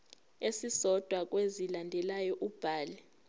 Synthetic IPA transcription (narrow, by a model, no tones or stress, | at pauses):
esisɔd̥ʱwak̬ʼwezilandʱɛlajɔʔub̥ʱaːlɛ